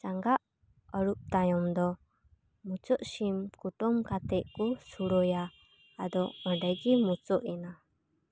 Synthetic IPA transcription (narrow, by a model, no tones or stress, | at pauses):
t͡ʃaŋɡaʔ | ɔɾup̚t̪ajɔmd̪ɔ | mut͡ʃɔʔsimkuʈɔmkat̪ɛʔkusuɾɔjaː | d̪ɔɔɳɖaɡimut͡ʃɔʔina